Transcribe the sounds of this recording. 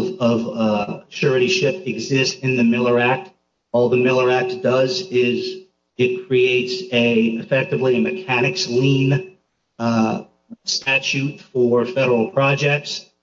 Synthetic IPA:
vʌvʃʰʊɹɨɾiʃɪpɨɡzɪstɨ̃nðɨmɪlˠə˞æk̚t | ɔlˠðəmɪlˠə˞æk̚t̚d̥ʌzɪz | ɪt̚kʰɹ̥ieɪtsɨɨfɛk̚tɨvliɨmɨkʰænɨkslĩn | stæt͡ʃʉtfə˞fɛɾə˞l̩ˠpʰɹ̥ɑd͡ʒɛk̚ts

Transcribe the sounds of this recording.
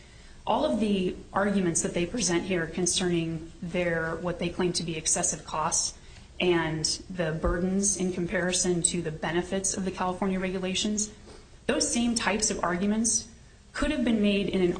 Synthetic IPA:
ʔɔlˠʌvðiʔɑɹɡjmɨ̃ntsðɨt̪̚ðeɪpʰɹ̥izɛ̃nʔhiɹkʰɨ̃nsɜ̃˞nɪ̃ŋðə˞wʌt̪̚ðeɪkʰl̥ẽɪ̃mtʰɨbiɨksɛsɨv̥kʰɔst | ʔɨ̃nðɨbɜ˞dⁿn̩zɨ̃nkʰm̩pʰɛɹɨsɨ̃ntʰɨðɨbɛnɨfɨtsʌvðɨkʰælˠəfɔɹnjɨɹɛɡjɨleɪʃɨ̃nz | ðoʊz̥sẽɪ̃mtʰaɪpsʌvɑ̰ɹɡjɨmɨ̃nts | kʰʊɾɨvbɨ̃nmeɪɾɨ̃nɨ̃n

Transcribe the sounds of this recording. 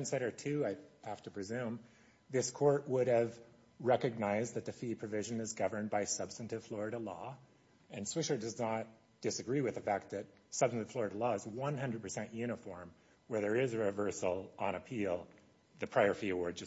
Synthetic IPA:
nsɛɾə˞tʰʉaɪhæftɨpʰɹ̥izʉ̃m | ðɪskʰɔɹt̚wʊɾɨv | ɹɛkɨɡ̚naɪzðɨt̪̚ðɨfipʰɹ̥ɨvɪʒɨ̃nɨzɡʌvə̃˞nbaɪsʌb̥stɨ̃n̩tɨv̥flɔɹɨɾəlɔ̰ | ɨ̃nswɪʃə˞dʌznət̚ | d̥ɨsɨɡɹiwɨðɨfæk̚t̪̚ðɨt̚ | sʌb̥stn̩tɨv̥flɔɹɨɾəlɔɨzwʌ̃nɦʌ̃ndɹɨd̚pʰə˞sɛ̃nʔjʉɾ̃əfɔɹm | wə˞ðə˞ɪzɨɹɨvɜ˞sl̩ˠə̃ñɨpʰilˠ | ðɨpʰɹ̥aɪə˞fiɨwɔɹd̚d͡ʒʌ

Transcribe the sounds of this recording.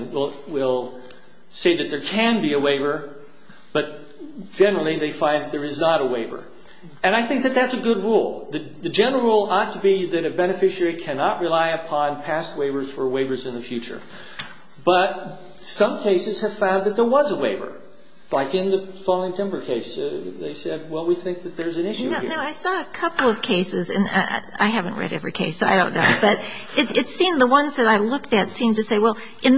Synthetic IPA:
nwɪlˠwɪlˠ | seɪðɨt̪̚ðə˞kʰɨ̃nbiɨweɪvə˞ | b̥ʌt̚ | d͡ʒ̥ɛnə˞l̩ˠiðeɪfãɪ̃nðɨt̪̚ðə˞ɨznəɾəweɪvə̰˞ | ɨ̃ñaɪθɪ̃ŋk̚ðɨt̪̚ðætsɨɡʊd̚ɹulˠðɨ | ðɨd͡ʒɛ̃nəl̩ɹulˠɔtʰəbiðɨɾɨbɛñɨfɪʃikʰænɑʔ̚ɹɨlaɪɨpʰɑ̃npʰæst̚weɪvə˞z̥fə˞weɪvə˞zɨ̃nðɨfjʉt͡ʃə̰˞ | b̥ʌt̚ | sʌ̃mkʰeɪsɨz̥ɨv̥fãʊ̃nðɨt̪̚ðə˞wʌ̃nzəweɪvə̰˞ | laɪkɨ̃nðɨfɑlˠɪ̃ŋtʰɪ̃mbə˞kʰeɪsðḛɪsɛd̚wɛlˠwiθɪ̃ŋk̚ðɨt̪̚ðə˞zɨ̃nɪʃʉnoʊnoʊaɪsɔɨkʰʌpl̩ˠʌv̥kʰeɪsɨzɨ̰̃n̰ | a̰ɪɦævɨ̃nʔɹɛ̰ɾɛ̰vɹikʰeɪsoʊaɪɾõʊ̃nːo̰ʊb̥ʌɾɨɾɨtsĩmðəwʌ̃nzðɨɾaɪlʊk̚tɨtsĩmtɨseɪwɛlˠ | ʔɨ̃n

